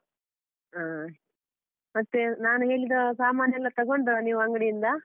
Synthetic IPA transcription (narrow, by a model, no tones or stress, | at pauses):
aː | mɐt̪ːenaːnuɦe̞ːɭid̪osaːmaːnjɐlːɐt̪ɐɡo̞ɳɖɐniːʋuɐŋɡɐɽijind̪ɐ